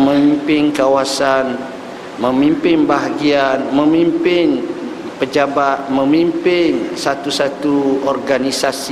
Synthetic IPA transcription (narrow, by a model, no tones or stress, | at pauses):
mə̃mimpɪnkawasan | mə̃mimpɪnbaɦaɡianmə̃mimpɪn | pəd͡ʒabat̪̚mə̃mimpɪnsat̪usat̪uɔrɡanisasi